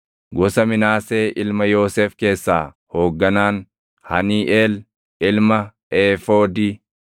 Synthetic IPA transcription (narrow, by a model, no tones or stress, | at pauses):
ɡɔsɐmɪnaːse̞ːʔɪlmɐjo̞ːseːfke̞ːsːa̰ː | ho̞ːɡːɐnaːn | hɐniːʔeːl | ɪlmɐ | eːfoːd̪iː